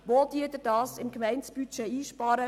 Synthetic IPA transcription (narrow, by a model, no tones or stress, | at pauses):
ʋoːd̪iːdədɑːsɪmkmɛɪnsb̥yt͡ʃeiːʃpɑːɾə